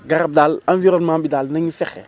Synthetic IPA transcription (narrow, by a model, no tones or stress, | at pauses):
ɡaɾɐb̚daːlãnviɾɔnmãːbidalnɐɲufɛxɛ̰